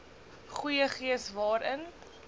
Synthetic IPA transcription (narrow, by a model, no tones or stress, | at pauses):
χujəχiəsvɑːɾən